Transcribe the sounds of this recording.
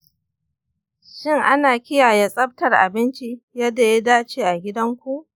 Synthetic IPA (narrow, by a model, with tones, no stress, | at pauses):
ʃɪ˦ŋʔa˦naː˨kʲɪ˦jaː˨ja˦sʼɐ˦b̚tɐ˨rʔa̰˨bɪ˦nt͡ʃi˦jɐ˦da˨ja˦daː˦t͡ʃeː˨ʔa˨ɡʲɪ˦dɐ˦ŋkʷu˦ʔ